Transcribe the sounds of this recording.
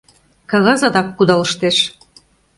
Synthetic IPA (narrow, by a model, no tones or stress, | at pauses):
kɑɣɑzɑd̪ɑkːud̪ɑlɤ̆ʃt̪eʃ